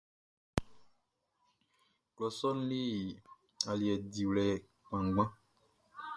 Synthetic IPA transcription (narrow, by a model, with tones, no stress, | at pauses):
klɔ˨sɔ˦n̩˦li˦˨ | a˨li˨ɛ˨di˨wlɛ˨ | k͡pã˨ŋ˦ɡ͡bã˦